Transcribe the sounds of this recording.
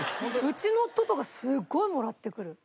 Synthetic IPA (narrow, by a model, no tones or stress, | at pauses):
hõd̪oɯ̟t͡ɕino̞ːt̪ːo̞t̪okasɨɡːo̞imo̞ɾat̪ːe̞kɯ̟ɾɯ̟